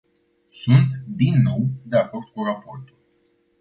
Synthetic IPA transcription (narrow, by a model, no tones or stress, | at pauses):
sunt̪d̪inːo̞wd̪e̞ako̞rd̪̚kurapo̞rt̪ul